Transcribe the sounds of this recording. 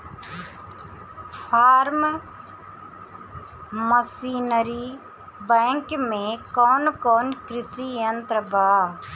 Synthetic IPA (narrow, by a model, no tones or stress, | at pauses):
pʰaːɾm | məsiːnəɾiː | bɛ̃ːŋkmẽːkɔːnkɔːnkɾɪsiːjənt̪ɾəbaː